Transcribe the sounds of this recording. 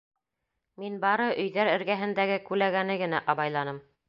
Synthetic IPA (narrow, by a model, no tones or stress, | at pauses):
minbɑɾɤʔɵ̆jðæɾɘ̆ɾɡæɦɘ̆nd̪æɡɘkʉlæɡænɘɡɘ̆næʔɑβɑjlˠɑnɤm